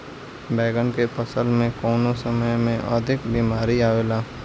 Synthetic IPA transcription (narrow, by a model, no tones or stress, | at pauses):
bɛːɡənkepəsəlmẽkɔːnosəməjmẽʔəd̪ʱɪkbiːmaːɾiaːʋeːlaː